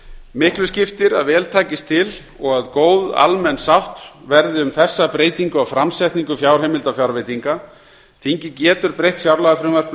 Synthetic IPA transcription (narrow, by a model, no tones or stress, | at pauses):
mɪhklʏscɪft̪ɪɾa̰ðvɛːlt̪ʰaːcɪst̪ʰɪl | ɔɣaðkoːwða̰lmɛnːsawht̪vɛɾðɪʏmθɛsːapɾeːjt̪iŋkʏawfɾamsɛjht̪niŋkʏfjawɾ̥hemɪlt̪afjawɾvejt̪iŋka | θiɲcɪcɛːt̪ʏɾpɾejht̪fjawɾlaɣafɾɪmvar̥k